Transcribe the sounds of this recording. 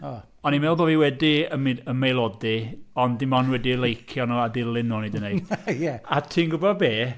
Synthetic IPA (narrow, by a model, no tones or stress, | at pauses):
ɔ | ɔnimɛlˠboːviwɛdiəmiəmejlˠɔdiɔndɪmɔnwɛdilˠejkʰjɔnoadɪlˠɪnːoːnejdənejd̥jɛatʰiːnɡʊbɔd̚beː